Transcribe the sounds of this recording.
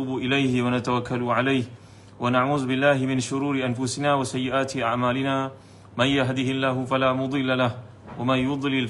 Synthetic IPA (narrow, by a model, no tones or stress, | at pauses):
uːbʊʔɪlajhɪwanat̪awakʰːalʊʕalajh | wanaʕuːðʊbɪlːaːɦɪmɪnʃʊɾuːɾɪʔanfʊsɪnaːwasajːɪʔaːt̪ɪʔaʕmaːlɪnaː | manjaɦd̪ɪhɪlːaːɦʊfalaːmʊd̪ˤɨlːalah | wamanjʊd̪ˤlɪl